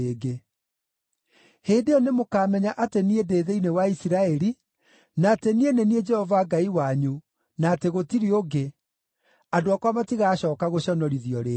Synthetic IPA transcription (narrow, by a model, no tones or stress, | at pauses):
eːɡe | heːndeɔnemokaːmɛɲaʔateniedeːðeinewaisiɾaɛɾi | naːtenienenied͡ʒɛhɔvaɡaiwaɲu | naːteɣotiɾioɡe | adoakwamatiɣaːɕɔːkaɣoɕɔnɔɾiðiɔɾe